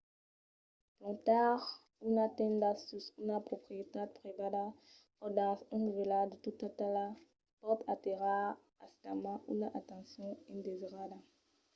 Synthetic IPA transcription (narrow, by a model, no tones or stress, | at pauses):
plɔ̃t̪aʁ | unat̪ɛ̃nd̪asusunapχopχiet̪ad̪̚pʁevada | ɔdãsĩnuvelad̪ət̪ut̪atala | pɔt̪ʰat̪eʁa | astamãʔṵnaʔat̪ɑ̃sjɔ̃ĩnd̪eziʁada